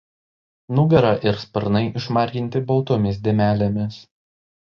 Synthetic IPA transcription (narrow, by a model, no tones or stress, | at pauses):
nʊɡɐɾɐʔɪɾspɐɾnɐɪʔɪʃmɑˑɾʲɡʲɪnʲt̪ʲɪbɔlˠt̪omʲɪs̬d̪ʲeːmʲæːlʲemʲɪs